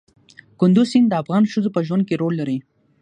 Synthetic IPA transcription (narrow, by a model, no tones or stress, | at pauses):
kʊnd̪uzind̪əafɣɑnʃəzopəʒwand̪̚keɾolːaɾi